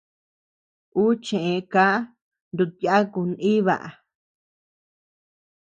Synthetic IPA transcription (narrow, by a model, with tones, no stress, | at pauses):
u˦t͡ʃẽ˨ʔẽ˧ka˦ | nd̪u˧t̪ja˦ku˧nĩ˦βa̰˨ʔa̰˨